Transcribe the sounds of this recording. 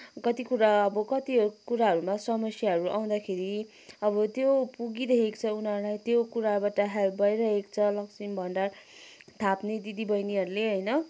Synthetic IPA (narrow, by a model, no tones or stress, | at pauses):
kʌt̪ikuɾaʌbʌkʌt̪ikuɾaɦʌɾumasʌmʌsjaɦʌɾuʔaw̃d̪akʰeɾi | ʌbʌt̪jopuɡidʌɦekt͡sʰʌunɦʌɾlajt̪jokuɾabaʈʌɦelp̚bʌjɾʌɦekt͡sʰʌlʌksimbʱʌɳɖart̪ʰapned̪id̪ibʱʌjniɦʌɾuleɦʌjnʌ